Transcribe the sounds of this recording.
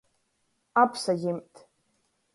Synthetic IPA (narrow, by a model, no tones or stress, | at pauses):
apʰsaɡʲɪmtʰʼ